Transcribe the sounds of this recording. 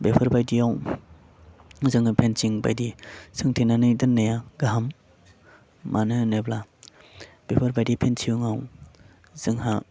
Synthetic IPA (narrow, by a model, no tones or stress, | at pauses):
bepʰɐɾbajdiaw | zɯŋhapʰensiŋba̰jdisɯŋtʰenanɯjdɯnːajaɡaɦam | ʔanɯnebla | b̥epʰɐɾbajdipʰensiuŋaw | z̥ɯŋha